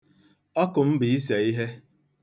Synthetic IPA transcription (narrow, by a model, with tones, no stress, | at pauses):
ɔ˦kʊ˨m̩˦bɪ˨i˦s̬e˨i˦ɦe˦